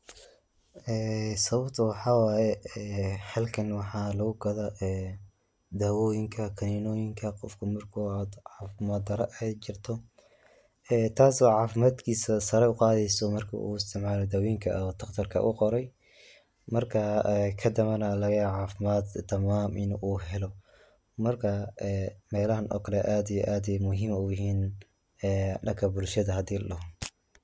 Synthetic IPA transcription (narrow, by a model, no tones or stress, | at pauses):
ʔɛːsɐβɐbt̪ʰɐwɑħɑːwɑːjɛɛːħɛlkʰɐnwɑħɑːlɐɣʊɡɐðɐʔɛː | d̪aːwɔjɪŋkʰɐkʰɐninɔːjɪŋkʰɐqɔfkʰʊmɐrkʰɔad̪ʕɑːfɪmad̪ɐɾɐʔɛt͡ʃɪrt̪ʰɔ | ɛːt̪ʰaːsɔːʕɑːfɪmaːd̪kʰiːsɐsɐɾɛʊqɑːðɛjsɔmɐrkʰɐ̰ʔṵːɪst̪ʰɪʕmaːlɔd̪ɐwiːŋkʰɐt̪ʰɐqt̪ʰɐrkʰɐ̰ʔṵqɔɾɛj | mɐrkʰɐɛkʰɐd̪ɐβɐnɐlɐɣɐʕaːfɪmaːd̪t̪ʰɐmaːmʔɪnuːɦɛlɔ | mɐrkʰɐɛmɛːlɐɦɐnʔɔ̰ːkʰɐlɛʔaːd̪ijʔaːd̪jmʊɦiːmʊjɪɦiːn | ɛːɖɐkʰɐbʊlʃɐðɐɦɐd̪iːlɐɦɔ